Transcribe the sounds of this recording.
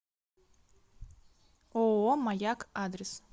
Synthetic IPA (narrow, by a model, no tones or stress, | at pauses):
oomajakʰadres